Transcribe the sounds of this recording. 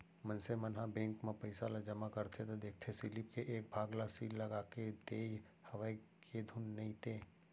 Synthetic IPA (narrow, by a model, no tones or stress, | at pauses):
mənsemənɦabẽːŋkmẽpəɪsalad͡ʒəmakəɾt̪ʰet̪od̪eːk̚ʰt̪ʰesɪlip̚keʔeːk̚bʱaːɡlasiːlːəɡaːket̪eːj | hɐʋaːikʰed̪ʱunːɐĩt̪eː